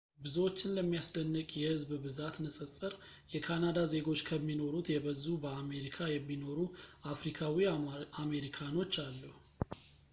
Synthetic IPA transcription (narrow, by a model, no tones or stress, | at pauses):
bɨzəwot͡ʃːɪnləmːijasd̪ənːɨkʼjɛhɨzbbɨzat̪nɨsʼɨsʼɨɾ | jɛkʰanad̪aze̞ɡo̞t͡ʃːkʰəmːino̞ɾut̪jɛβəzːubəame̞ɾikʰajɛmːino̞ɾuafɾikʰawiame̞ɾikʰano̞t͡ʃːalːuh